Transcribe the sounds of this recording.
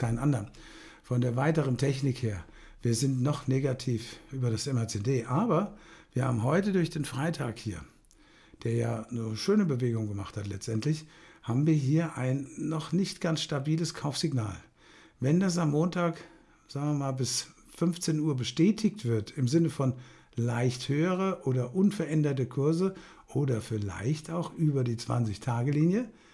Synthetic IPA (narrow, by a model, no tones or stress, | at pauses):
kʰaɪnʔandɐn | fɔndeːɐvaɪtəʁəntʰɛçnɪkheːɐ | v̥iːɐzɪntnɔχneːɡatʰiːfʔyːbɐdasɛmɛɐt͡seːdeːʔaːbɐv̥iːɐhaːbm̩ɦɔʏtədʊɐçd̥eːnfʁ̥aɪtʰaːkhiːɐ | d̥eːɐjaːnəʃøːnəbəveːɡʊŋɡəmaχthatlɛt͡stʔɛntlɪçhaːbm̩viːɐɦiːɐʔaɪnːɔχnɪçtɡ̥ansʃtabiːləskʰaʊfz̥ɪɡna̰ːl | vɛndas̬ammoːntʰaːk | z̥aːɡŋviɐmaːlbɪs | fʏnft͡seːnuːɐbəʃtɛːtʰɪçtv̥ɪɐtɪmzɪnəfɔn | laɪçthøːəʁ̞əʔoːdɐʔʊnfɛɐʔɛndɐtəkʰʊɐzə | ʔoːdɐfɪla̰ɪçtaʊxʔyːbɐdiːt͡sv̥a̰nt͡sɪçtʰaːɡəliːnjə